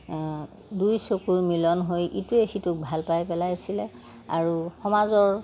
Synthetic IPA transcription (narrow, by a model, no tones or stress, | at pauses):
dujsokuɹmilɔnɦojʔituexitʊk̚bʱalpajpɛlajsilɛ | aɹuxɔmazɔɹ